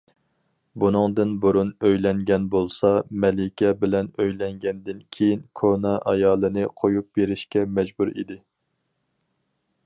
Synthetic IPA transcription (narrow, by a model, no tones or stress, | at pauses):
bunɨŋd̪ɨnbuɾunøjlɛŋɡʲɛnbolˠsɑmɛlɪkʲʰɛbɪlɛnøjlɛŋɡʲɛnd̪ɪnkʲʰejinkʰonɑʔɑjɑːlˠɨnɨqʰojup̚beɾɪʃkʲɛmɛd͡ʒbuɾḭd̪ɪ